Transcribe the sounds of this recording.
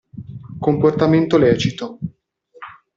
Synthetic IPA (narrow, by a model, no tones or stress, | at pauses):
komport̪ament̪olɛːt͡ʃit̪o